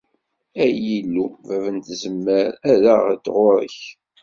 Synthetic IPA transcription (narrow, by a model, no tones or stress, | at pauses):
æjilːuvævənt̪zəmːəɾæɾəʁd̪ʁʊɾə̰ç